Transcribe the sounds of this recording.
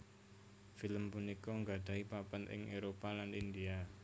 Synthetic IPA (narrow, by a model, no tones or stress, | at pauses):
filəmpunikɔŋɡad̥a̤ipapanɪ̰ŋʔeɾopalanindia